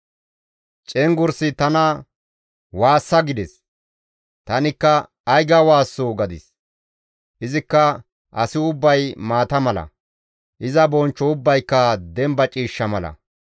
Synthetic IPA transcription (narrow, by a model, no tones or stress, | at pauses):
t͡ʃʼɛŋɡʊɾsɪt̪ɐnɐ | waːsːɐɡɪd̪ɛs | t̪ɐnɪkːɐː | jɡɐwaːsːoːɡɐd̪ɪs | ʔɪzɪkːɐ | ʔɐsɪʊbːɐjmaːt̪ɐmɐlɐ̰ | ʔɪzɐbɔnt͡ʃːɔʊbːɐjkːɐd̪ɛmbɐt͡ʃʼiːʃːɐmɐlɐ̰